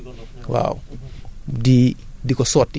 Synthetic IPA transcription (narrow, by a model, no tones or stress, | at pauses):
wa̰w | didikɔsɔtː